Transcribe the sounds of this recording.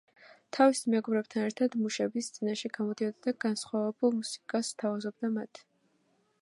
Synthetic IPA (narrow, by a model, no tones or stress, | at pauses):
t̪ʰavismɛɡɔbɾɛb̚t̪ʰanɛɾt̪ʰad̪muʃɛbist̪sʼinaʃɛɡamɔd̪iɔd̪ad̪aɡ̥ansχwavɛbulˠmusi̥kʼasːt̪ʰavazɔb̚d̪amat̪ʰ